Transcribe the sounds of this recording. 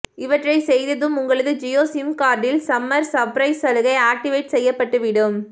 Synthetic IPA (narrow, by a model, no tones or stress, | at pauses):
ɪʋɐʈrɐɪsɛjðɐðɯmʊŋɡɐɭɐðɯd͡ʒɪjoːsɪmkaːɾɖɪlsɐmːɐɾsɐpɾɐɪsɐlɯɣɐɪaːk̚ʈɪʋeɪʈsɛjːɐpːɐʈːɯʋɪɽɯm